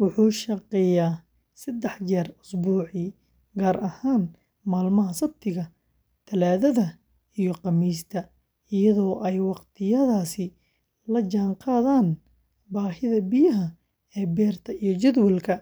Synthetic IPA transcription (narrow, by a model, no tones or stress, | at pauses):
wʊħuːʃɐqɛjaː | sɐd̪ɛħd͡ʒɛːrʊsbuːʕɪ | ɡaːɾɐhaːn | maːlmɐɦɐsɐb̚t̪ʰɪɣɐ | t̪ʰɐlaːðɐðɐ | ijɞqɑmiːst̪ʰɐ | ɪjɐðɔːʔɛjwɑqt̪ʰɪjɐðaːsɪ | lɐd͡ʒaːɴqɑːðaːn | baːɦɪðɐbɪjɐɦɐ | ɛːbɛːrt̪ʰɐijɔt͡ʃɐd̪wɛlkʰɐ